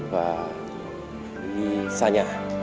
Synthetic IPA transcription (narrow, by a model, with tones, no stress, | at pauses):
pa˨ | wi˦saɲa˨